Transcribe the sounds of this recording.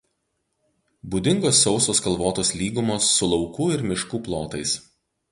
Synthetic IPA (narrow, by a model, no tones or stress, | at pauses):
bʊd̪ʲɪŋɡoːsːɒʊsoːskɐlˠʋoːt̪oːslʲiːɡʊmoːsːʊlˠɒʊkuːɪɾmʲɪʃkuːplˠoːt̪ɐɪs